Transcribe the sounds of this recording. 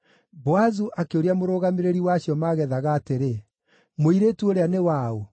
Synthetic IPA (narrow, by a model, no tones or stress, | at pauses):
bɔazuʔakeoɾiamoɾoɣameɾeɾiwaɕjɔmaɣɛðaɣaːteɾe | moiɾeːtuoɾeanewao